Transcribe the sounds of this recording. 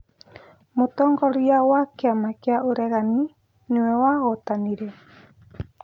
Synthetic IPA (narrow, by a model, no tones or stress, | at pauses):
mot̪ɔŋɡɔɾiawakeamakeaʔoɾeɣani | nuewaɣɔt̪aniɾe